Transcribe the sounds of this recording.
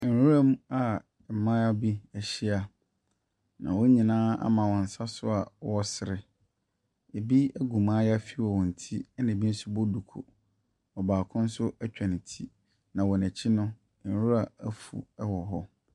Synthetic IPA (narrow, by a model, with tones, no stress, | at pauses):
n˨ɾu˦ɾa˦mũ˦a˦˨ | mã˦a˦bi˦ɛ˨ɕi˦a˨ | nã̰˨wɔ˦ɲĩ˨nãː˦a̰˦mã˨wɔ̃˨n̩˨sa˦sʊ˦a˨wɔ˦sɪ˨ɾɪ˨ | e˨bi˦æ˦ɡu˨mãː˦ja˦fi˦wɔ˨wɔ̃˨n̩˨tʰi˦nã˨bi˦sʊ˦bɔ˦du˨kʰo̰˨ | ɔ˨baː˨kʰʊ̃˦n̩˦sʊ˦ʔæ˦t͡ɕᶣã˨n˨tʰi˦ | nã˨wɔ˨næ˨t͡ɕʰɪ˦nʊ̃˦˨ | ɾũ˦ɾa˨æ˦fṵ˨ɛ˦wɔ˨ɦɔ˦